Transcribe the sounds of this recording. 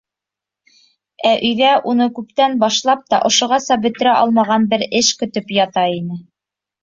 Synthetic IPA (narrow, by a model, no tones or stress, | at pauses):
æʔɵ̆jðæʔunɤkʉp̚t̪ænbɑʃlˠɑp̚t̪ɑʔŏʃŏʁɑsɑbɵ̆t̪ɘ̆ɾæʔɑlˠmɑʁɑnbɘɾɘʃkɵ̆t̪ɵpjɑt̪ɑinɘ